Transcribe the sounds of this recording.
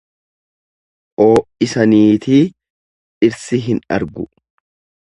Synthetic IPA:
ʔoːʔɪsɐniːt̪iː | ʔɪɾsɪɦɪnɐ̰ɾɡʊ

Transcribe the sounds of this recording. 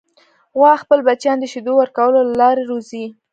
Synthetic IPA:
ɣwɑxpəlbat͡ʃjɑnd̪əʃid̪owəɾkawəlolalɑɾeɾozi

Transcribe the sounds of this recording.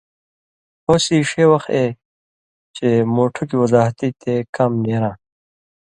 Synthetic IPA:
hoːsiʂeːwɐxt̪e | t͡ɕemoːʈʰukiwɐzaːɦt̪it̪ʰekɐmneːɾãː

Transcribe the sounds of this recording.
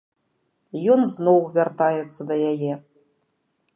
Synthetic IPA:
jɔnznɔwvʲart̪ajɛt̪sːɐd̪ɐjajɛ

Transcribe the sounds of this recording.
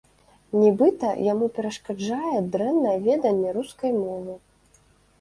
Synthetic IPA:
nʲɛbɨt̪ɐ̰jamupʲɛɾɐʂkad͡ʐajɛd̪ɾɛnːɐjɛvʲɛd̪ɐnʲːɛɾuskɐjmɔvɨ

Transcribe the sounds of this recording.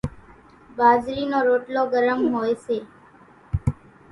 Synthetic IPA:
baːzɾiːnoːɾoːʈloːɡəɾəmɦoːeseː

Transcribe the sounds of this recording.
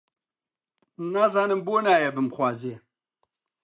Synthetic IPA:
nazaːnɨmbonaːjɐbɨmχwaːze

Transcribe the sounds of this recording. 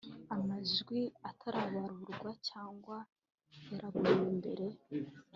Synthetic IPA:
amaʒɡwiatʰaɾaβaɾuɾɡwacaːŋɡwa | eɾaɡuɾimbe̞ɾe̞

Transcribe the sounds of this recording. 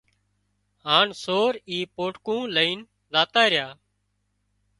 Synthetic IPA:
ɦaːɳsoːɾiːpoːʈkũːləiːn | zaːt̪aːɾɪjaː

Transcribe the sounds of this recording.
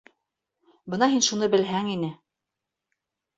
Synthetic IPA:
bɤnɑɦinʃunɤbɘ̆lɦæŋinɘ

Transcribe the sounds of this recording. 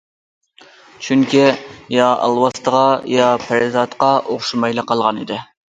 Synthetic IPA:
t͡ʃʰyŋkʲijɑɑ̰lˠwɑst̪əʁɑjɑpʰɾɪzɑt̪qɑʔoχʃumɑjlˠɨqʰːɑlˠʁɑnḭd̪ɪ

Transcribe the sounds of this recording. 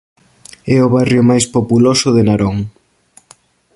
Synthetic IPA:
ɛʊβarjʊmajspopulosʊðenaɾɔŋ

